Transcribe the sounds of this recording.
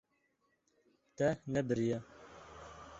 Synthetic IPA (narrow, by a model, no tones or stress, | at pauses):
t̪ɛnɛbɨɾijɛ